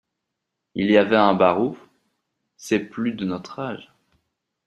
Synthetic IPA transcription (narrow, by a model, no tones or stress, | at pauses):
ilijavɛɛ̃baʁuf | sɛplyd̪ənɔt̪χaʒ